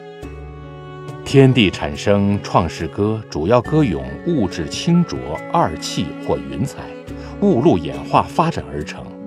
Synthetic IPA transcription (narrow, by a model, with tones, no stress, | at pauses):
t̪ʰjɛ˥nt̪i˥˩ʈ͡ʂʰa̰˨˩nʂɤ˥ŋʈ͡ʂʰwɑ˥˧ŋʂɻ̩˥˩kɤ˥ʈ͡ʂu˨˩jɑ˥˩ʊkɤ˥jʊ̰˨˩˦ŋu˥˧ʈ͡ʂɻ̩˥˩t͡ɕʰi˥ŋʈ͡ʂwɔ̰˧˥a˥˩t͡ɕʰi˥˧xwɔ˥˩y˧˥nt͡sʰa˨˩˦ɪ | u˥˧lu˥˩jɛ̰˨˩nxwa˥˩fa˥ʈ͡ʂa˨˩nə˞˧˥ʈ͡ʂʰɤ̰˧˥ŋ